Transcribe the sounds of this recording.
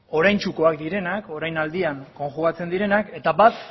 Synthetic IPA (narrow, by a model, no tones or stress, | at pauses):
o̞ɾajnt͡ʃuko̞akd̪iɾe̞nako̞ɾajnald̪iaŋko̞ŋxuɣ̞at͡se̞nd̪iɾe̞nake̞t̪abat̪